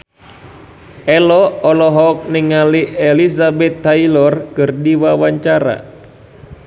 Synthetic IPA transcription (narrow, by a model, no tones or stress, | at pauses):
ʔɛlɔɔlɔɦɔk̚niŋaliʔɛlisabɛt̪ːailɔrkɨrdiwawaɲt͡ʃaɾa̰